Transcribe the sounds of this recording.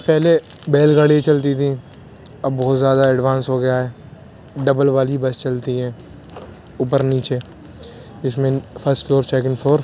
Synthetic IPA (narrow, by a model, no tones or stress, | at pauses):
pɛɦlebeːlɡaːɽit͡ʃɐlt̪̬it̪ʰĩ | ɐbːɔɦːt̪zjaːd̪aɛɖʋãːnsɦoɡɐjaɦɛː | ɖɐbəlʋaːlibɐst͡ʃɐlt̪iɦɛ̃ː | ʊp̬əɾniːt͡ʃe | d͡ʒɪsmẽpʰəsʈfʰloːɾt͡ʃɛːk̬ɪ̃nfʰoːɾ